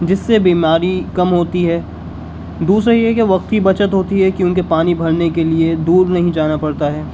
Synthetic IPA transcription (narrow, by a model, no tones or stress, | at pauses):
d͡ʒɪsːebiːmaːɾikɐmɦoːt̪iɦɛː | d̪uːsɾaijɦɛkeʋɐq̚t̪kibɐt͡ʃət̪ɦoːt̪iɦɛkjõːk̬epaːnibʱɐlnekelied̪uːɾnɐɦĩd͡ʒaːnapɐɽt̪aɦɛː